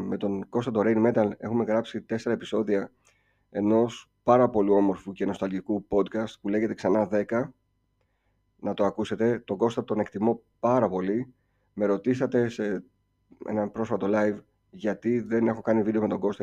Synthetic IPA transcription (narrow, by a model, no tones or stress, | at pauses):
me̞t̪o̞ŋɡ̥o̞st̪ɐt̪o̞ɾejnme̞t̪ɐle̞̰xume̞ɣɾɐpsit̪e̞se̞ɾɐepi̥so̞ðiɐ | e̞no̞s | pɐɾɐpo̞lio̞mo̞ɾfuceno̞st̪ɐlʝikupo̞d̪kɐst̪̚pule̞ʝe̞t̪e̞ksɐnɐðe̞kɐ | nɐt̪oɐkuse̞t̪e̞t̪o̞ɡo̞st̪ɐt̪o̞ne̞kt̪imo̞ | pɐɾɐpo̞li | me̞ɾo̞t̪isɐt̪e̞se | ḛnɐpɾo̞sfɐt̪o̞lɐjv | ʝɐt̪iðe̞ne̞xo̞kɐnivid̪e̞o̞me̞t̪o̞ɡo̞st̪ɐ